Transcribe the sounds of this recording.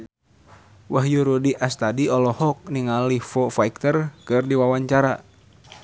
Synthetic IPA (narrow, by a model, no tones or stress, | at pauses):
waɦjuɾudiʔast̪adiɔlɔhɔk̚niŋalifɔfaik̚t̪ərkɨrdiwawaɲt͡ʃaɾa